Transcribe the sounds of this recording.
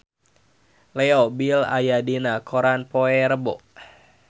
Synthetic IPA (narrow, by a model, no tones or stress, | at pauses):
lɛobila̰jadinakʰoɾanpoɛɾəboʔ